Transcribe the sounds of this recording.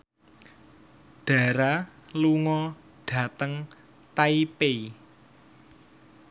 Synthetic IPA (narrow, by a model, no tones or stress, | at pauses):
ɖ̥a̤ɾaluŋɔ | ɖ̥ä̤t̪əŋ | t̪aipei